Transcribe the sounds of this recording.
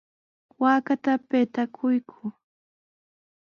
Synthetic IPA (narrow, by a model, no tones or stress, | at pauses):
waːkat̪apet̪akʰʊjkʰʊ